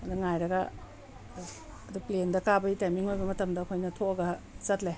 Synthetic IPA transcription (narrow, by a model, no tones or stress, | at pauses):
ɐduŋajɾɐɡɐ | ɐduplendɐkabɐitajmiŋojbɐmɐtɐmdɐːkʰojnɐtʰoɐɡɐt͡ʃɐtle